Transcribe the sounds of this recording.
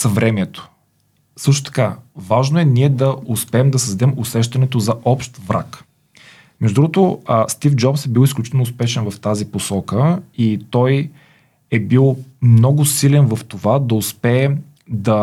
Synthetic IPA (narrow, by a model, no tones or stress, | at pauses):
sɐvɾɛmɛt̪o̥ | sɤʃ̬t̪o̥t̪ɐ̥kavaʒnoɛniɛd̪ɐʊspɛːɛmd̪ɐsɐzd̪ɛmʊsɛʃt̪ɐnɛt̪ozɐʔɔpʃt̪vɾa̰k | mɛʒd̪ud̪ɾuɡot̪ost̪ifd͡ʒɔpsɛbilˠisklʲut͡ʃit̪ɛlnːʊspɛʃɛnvɐft̪aziposɔkəit̪ɔj | ɛbilˠmnɔɡʊsilɛnvɐft̪ovad̪ɐʊspɛː | d̪ɐ